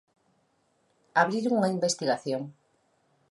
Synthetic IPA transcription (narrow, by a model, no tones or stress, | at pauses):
aβɾiɾuŋaimbest̪iɣaθjoŋ